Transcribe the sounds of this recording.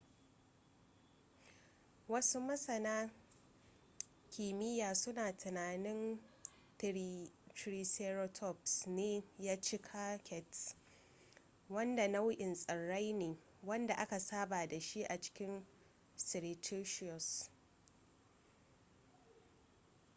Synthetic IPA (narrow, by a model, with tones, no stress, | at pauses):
wɐ˦su˦mɐ˦sɐ˨naː˦ | kʲiː˨mɪ˦jaː˨sʊ˦naː˨tʰʊ˨naː˨nɪ˦n | tɾiː˨sɛ˦ɾo˦tʰɔ˦psneː˦jaː˦t͡ʃi˦kʰaː˦kʲɛ˨t | wɐ˦nda˨na˦wʊ˦ʔɪ˨nsʼɐ˨ɽːa˦jneː˨ | wɐ˦nda˨ʔa˦ka˨saː˦baː˨da˨ʃi˦ʔa˨t͡ʃɪ̥˦kʲɪ˦n | sɪ˨ɾe˨tʰo˦ʃɪ˦ɔ˨s